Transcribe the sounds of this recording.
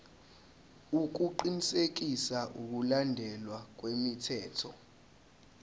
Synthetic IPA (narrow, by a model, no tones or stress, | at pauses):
uk̬uǃinisek̬isaʔuk̬ulandʱɛlwak̬wemitʰɛːtʰɔ̰